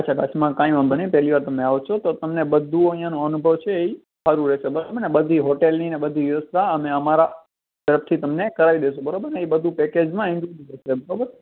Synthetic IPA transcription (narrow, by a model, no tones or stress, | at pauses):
atːʃʰakaʃmãkãĩʋãbənepɛliʋaɾt̪əmẽaʋot͡ʃʰot̪ot̪əmnebəd̪ʱuoəɦĩjãnõənubʱəʋt͡ʃʰeːi | saɾuɾɛʃebəɾobəɾnebəd̪ʱiɦoʈelninebəd̪ʱiʋjəʋəst̪ʰaəmẽəmaɾa | t̪əɾəft̪ʰit̪əmnekəɾaʋid̪eʃobəɾobəɾneibəd̪ʱũpɛked͡ʒmãɪ̃nkud͡ʒiɾeʃebəɾobəɾ